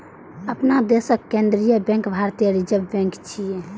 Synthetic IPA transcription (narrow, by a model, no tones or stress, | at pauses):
əpnad̪esəkkẽnd̪ɾijəbɛ̃ŋkbʱaɾt̪ijəɾid͡ʒəbbɛ̃ŋkt͡ʃʰije